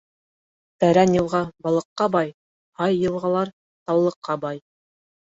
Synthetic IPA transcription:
t̪æɾænjɤ̆lˠʁɑbɑlˠɤ̆qːɑbɑj | hɑjːɤ̆lˠʁɑlˠɑɾ | t̪ɑwlˠɤ̆qːɑbɑj

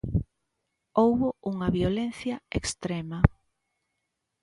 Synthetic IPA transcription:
owβʊuŋɐβjolen̟θjɐekst̪ɾemɐ

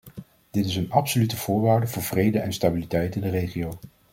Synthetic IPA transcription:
d̥ɪtɪsənɑpsolytəv̥ʊːɹʋaːɹdəvʊːɹvrejdəʔɛnstabilitɛjtɪndərejχiow

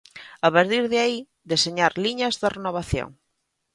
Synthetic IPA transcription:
aβaɾt̪iɾðɪai | d̪eseɲaɾliɲɐzðɐrenoβ̞aθjo̰ŋ

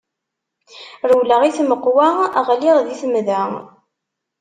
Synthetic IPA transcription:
ɾəwləʁiθməqːwaaʁliʁðiθəmðæ

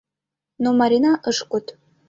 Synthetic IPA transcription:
nomɑɾʲinɑʔəʃkut̪

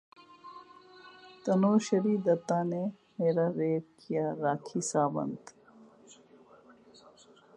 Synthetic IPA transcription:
t̪ɐnoːʃɐɾiːd̪ɐt̪aːne | meːɾaɾeːɾkijaɾaːkʰisaːbɐ̰nd̪

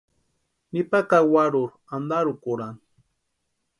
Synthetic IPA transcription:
nipakawaɾʊɾ | and̪aɾʊkʊɾan

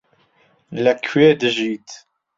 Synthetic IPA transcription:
lakʰɥɛd̪ʒit̪

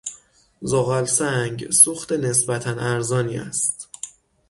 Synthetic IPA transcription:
zoɣælsæŋɟsuxt̪ene̞sbæt̪ʰænʔæɾzɒːniːæ̰st̪

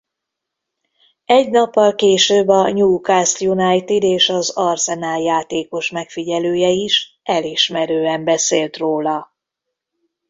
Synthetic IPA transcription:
ɛɟnɒpːɒlkeːʃøːbɒɲuːkaːst̪junajt̪id̪eːʃɒzɒrsɛnaːljaːt̪eːko̞ʃmɛkfiɟɛløːjɛiʃ | ɛliʃmɛɾøːɛmbɛseːlt̪roːlɒ

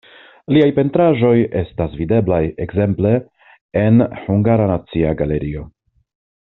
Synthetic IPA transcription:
liajpe̞ntɾaʒo̞je̞stasvide̞blajekze̞mple̞ː | nhuŋɡaɾanat͡siaɡale̞ɾio̞

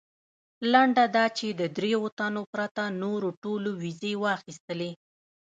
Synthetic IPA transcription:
laɳɖad̪ɑt͡ʃed̪əd̪ɾeot̪anopɾat̪anoɾoʈolowizewɑxist̪əle

